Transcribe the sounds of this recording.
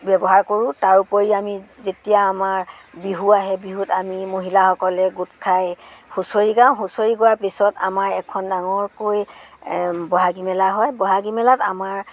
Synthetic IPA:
bɛbɔɦaɹkoɹũtaɹupoɹiamizetijaːmaɹ | biɦuaɦɛbiɦutamimoɦilahɔkɔlɛɡutkʰajhusoɹiɡãʊ̃ɦusoɹiɡowaɹpisɔta̰maɹɛkʰɔndaŋɔɹkoj | bɔɦaɡimɛlaɦɔjbɔɦaɡimɛlatamaɹ

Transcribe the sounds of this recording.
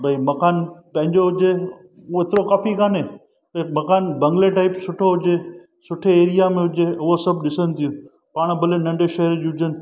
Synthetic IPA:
bʱɐimɐkaːnpɐ̃ɦɪ̃ɲd͡ʑoɦʊd͡ʑe | ɦɪt̪ɪɾokaːfikaːnẽː | bɐimɐkaːnbɐ̃ŋɡleʈaːɪpsʊʈʰoɦʊd͡ʑe | sʊʈʰeeːɾijamẽɦʊd͡ʑeʊɦosɐbɗɪsənɪ̆t̪ʰijũ | paːɽ̃bʱɐlenɐ̃ɳɖeʃɐɦəɾʄuɦʊd͡ʑənɪ̆

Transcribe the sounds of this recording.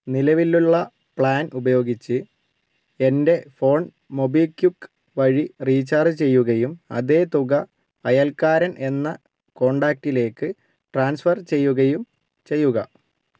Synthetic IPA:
nilɐʋilːuɭːɐ | pɭaːnubɐjo̞ːɡit͡ɕːɨ | e̞nde̞fo̞ːn | mo̞bilkjukː | ʋɐɻiriːt͡ɕaːrɨt͡ɕe̞jːuɣɐjumɐ̰ðe̞ːt̪uɣɐ | ɐjɐlkaːɾɐnʔe̞nːɐ | ko̞ːɳɖaːk̚ʈile̞ːkːɨ | ʈraːnsfɐrt͡ɕe̞jːuɣɐjum | t͡ɕe̞jːuɣɐ

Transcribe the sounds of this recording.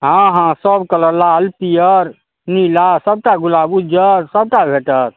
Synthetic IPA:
ɦãɦãsəbkələlaəlpijəɾ | nilasəb̚ʈaɡulabud͡ʒəɾsəb̚ʈabʱeʈəɾ

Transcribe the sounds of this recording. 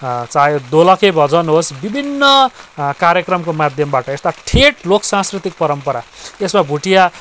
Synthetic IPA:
t͡sajod̪olʌkebʱʌd͡zʌnɦosbibʱinːʌkaɾjekrʌmkomad̪ʱjʌmbaʈʌest̪aʈʰeʈloksãskrit̪ik̚pʌɾʌmpʌɾaesmabʱuʈija

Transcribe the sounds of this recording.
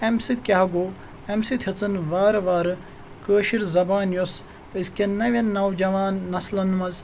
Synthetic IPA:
emsit̪̚ʰkʲaɦɐɡoː | emsit̪ʰʲhɐt͡sɨnʋaːɾʋaːɾ | kəːʃiɾzɐbaːnjos | əskʲɐnnɐʋʲɐnːɐwd͡ʒɐʋaːnːɐslɐnmɐz

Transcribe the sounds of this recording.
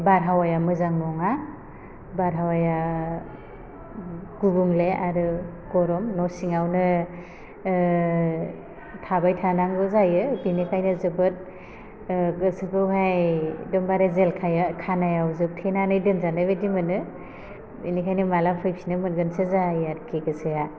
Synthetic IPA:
baɾɦawajamɯzaŋnɔŋa | baɾɦawaja | ɡ̥ubuŋleaɾɯ | ɡɔɾɔmnɔsiŋawnɯ | tʰabajtʰanaŋbɯzajɯbinikʰajnɯzɯbɯt̚ | ɡɯsɯbɯwɦajdɯmbaɾezelkʰajakʰanajawzɯp̚tʰenanɯjdɯnzanɯbedimɯnɯ | inikʰajnɯmalapʰɯjpʰinɯmɯnɡɯnsɯzajaɾkʰeɡɯsɯja

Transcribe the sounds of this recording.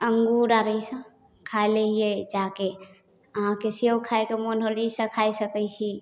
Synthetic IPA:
əŋɡuɾaɾəisə̃ | kʰaeleɦied͡ʒake | əɦãkesewkʰaekemonɦolisə̃kʰajsəkɛt͡ʃʰi

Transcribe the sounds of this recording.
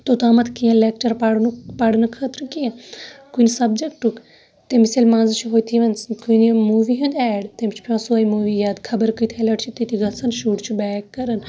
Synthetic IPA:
t̪ot̪aːmɐt̪ʰkiãleːkt͡ʃɐɾpɐɽnupɐɽnɐkʰɐt̪ɾkijãkuinisɐbd͡ʒekʈuk | t̪emiselmãːnzt͡ʃʰɦoːit̪ʰiʋɐnskunimuːʋiɦũnd̪ɛːɖt̪emt͡ʃʰpʰʲõːsoaːimuːʋiːjaːd̪kʰɐbəɾkɨt̪ʰelɐʈt͡ʃʰit̪it̪iɡɐsɐnʃuːʈt͡ʃʰbɛːkːɐɾən

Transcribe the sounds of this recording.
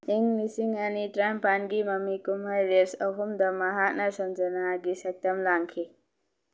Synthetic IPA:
iŋlisiŋanitɾajmpanɡimɐmːikumɦajɾesɔɦumd̪ɐmaɦat̚nasɔmd͡ʒɐnaɡisak̚t̪ɐmlaŋkʰi

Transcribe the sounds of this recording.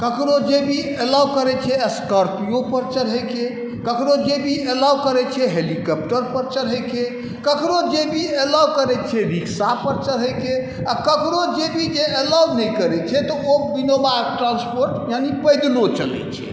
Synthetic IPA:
kəkɾod͡ʒebʱi | elakəɾɛt͡ʃʰɛskəɾpijopəɾt͡ʃəɾɦəjke | kəkɾod͡ʒebʱielawkəɾɛt͡ʃʰɛɦelikəp̚ʈəɾpəɾt͡ʃəɾɦəjke | kəkɾod͡ʒebʱielawkəɾɛt͡ʃʰɛɾiksapəɾt͡ʃəɾɦəjke | akəkɾod͡ʒebʱid͡ʒeʔelawnɛjkəɾɛt͡ʃʰɛt̪ɔobinobaekʈɾãnspoɾʈjanipəjd̪lot͡ʃə̰lɛ̰t͡ʃʰɛ̰

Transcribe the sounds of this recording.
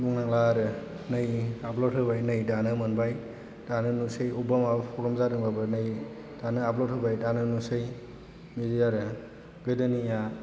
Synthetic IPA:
buŋnaŋlaɾɯ | nɯjaplot̚hɯbajnɯjdanɯmɯnbaj | d̥anɯnusɯjubamabpʰɔɾɔmzaɾɯŋbabɯnɯj | d̥anɯaplot̚ʰhɯbajdanɯnusɯj | midijaɾɯ | ɡɯdɯnija

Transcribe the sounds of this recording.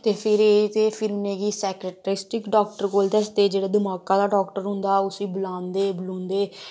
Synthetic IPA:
t̪eːpʰɪɾeːt̪eːpʰɪɾʊnẽːɡiːsɛːkɾəʈɾɪsʈɪkɖɔːkʈəɾkoːld̪ɛsd̪eːd͡ʒeːɽaːd̪ɪmaːkãːd̪aːɖɔːkʈəɾɦʊ̃nd̪aːʊsĩːbəlãːnd̪eːbəlõːnd̪eː

